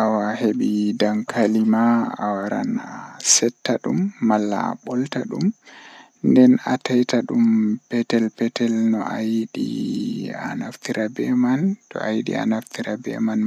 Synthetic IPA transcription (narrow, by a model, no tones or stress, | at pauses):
ʔawaheɓidaŋkʰalimaːwaɾa̰nasɛtːaɗumːalːa̰ɓɔltaɗum | ndɛna̰tajtaɗumpɛtɛlpɛtɛlnɔ̰ʔajiɗḭ | a̰naft̪iɾabɛmantɔ̰ʔajiɗḭa̰naft̪ʰiɾabɛ̰man